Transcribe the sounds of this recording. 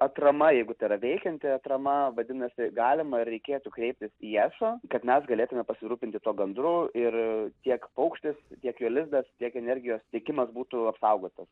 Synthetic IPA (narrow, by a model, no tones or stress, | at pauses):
ɐt̪ɾɐmɐjɛɪɡʊt̪ɐɪɾɐʋʲɛɪkʲɛnʲt̪ʲɪɐt̪ɾɐmɐʋɐd̪ʲɪnɐsʲɪɡɑːlʲɪmɐɪrɾʲɛɪkʲeːt̪ʊkɾʲɛɪp̚ʲt̪ʲɪsijæːsoːkɐt̪mʲɛsɡɐlʲeːt̪ʊmʲɛpɐsʲɪɾuːpʲɪnt̪ʲɪt̪uɔɡɐnd̪ɾʊɪrt̪ʲiɛkpɐʊkʃʲt̪ʲɪst̪ʲiɛkjuːlʲɪzd̪ɐst̪ʲiɛkɛnʲɛɾʲɡʲɪjoːstʲiɛkʲɪmɐsbuːt̪ʊɐpsɐʊɡoːt̪ɐs